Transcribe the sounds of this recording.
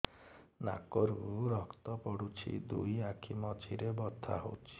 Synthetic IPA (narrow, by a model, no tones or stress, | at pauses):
na̰kɔɾuɾɔkt̪ɔpɔɽut͡ʃʰḭd̪ṵjakʰimɔt͡ʃʰiɾebɔt̪ʰa̰ɦo̰wt͡ʃʰi̥